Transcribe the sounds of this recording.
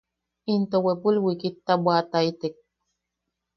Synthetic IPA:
int̪owepulwikit̪ːabwat̪ait̪ek̚

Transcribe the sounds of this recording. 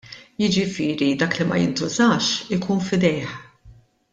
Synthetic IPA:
jɪd͡ʒɪfɪːɾid̪ɐːklimɐ̰jɪ̰nt̪ʊzɐːʃɪkuːnfɪd̪ɛjħ

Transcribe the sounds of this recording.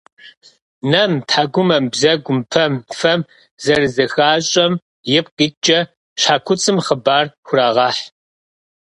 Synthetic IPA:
nɐmtʰħaːɡʷʊmɐmbzɐɡʷʊmpʰɐmfɐm | zɐrzɐxaːɕʼɐm | jɪp̚ɡʼɨt͡ʃʼɐ | ɕħaːkʷʰʊt͡sʼɨmχəbaːrxʷʊraːʁɑːħ

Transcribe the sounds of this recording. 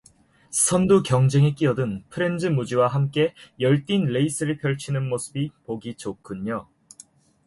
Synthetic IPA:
sʰʌndukjʌŋd͡ʑe̞ŋek͈iʌdɯnpʰɯɾe̞nd͡ʑɯmud͡ʑiwaɦamk͈e̞jʌɭt͈inleis͈ʰɯɾɯɭpʰjʌɭt͡ɕʰinɯnmosʰɯbipoɡit͡ɕokʰɯɲo

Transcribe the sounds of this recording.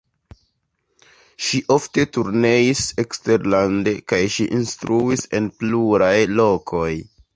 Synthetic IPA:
ʃiʔo̞fte̞tuɾne̞ise̞kste̞ɾlande̞kajʃiʔinstɾʔuise̞npluɾajlo̞kʰo̞j

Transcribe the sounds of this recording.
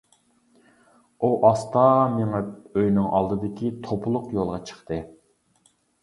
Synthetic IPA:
uʔɑst̪ɑmeŋɛøjnɪŋʔɑ̰lˠd̪ɨd̪ɪkʲit̪ʰopʰʊlˠʊqjolˠʁɑt͡ʃʰə̥χt̪ɨ

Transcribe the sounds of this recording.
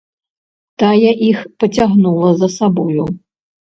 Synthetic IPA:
t̪ajaʔixpɐt͡sʲaɣnulˠɐzɐsabɔju

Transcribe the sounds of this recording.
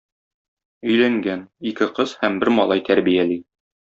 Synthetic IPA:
ɵ̆jlæŋɡænikɘqɤzhæmbɘɾmɒlˠɑjt̪æɾbijæli

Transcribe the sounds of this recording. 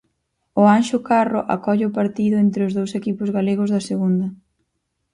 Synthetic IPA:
ʊanʃʊkarʊʔa̰kɔʎɪʊpaɾt̪iðʊent̪ɾɪʊzðowsekipʊzɣaleɣ̞ʊzðɐseɣund̪ɐ

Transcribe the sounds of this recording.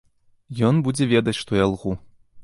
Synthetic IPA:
jonbud͡zʲevʲed̪ɐtʲʂt̪ojɑlˠʁu

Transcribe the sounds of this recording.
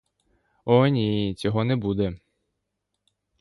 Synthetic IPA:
ɔnʲit͡sʲɔɦɔnɛbud̪ɛ

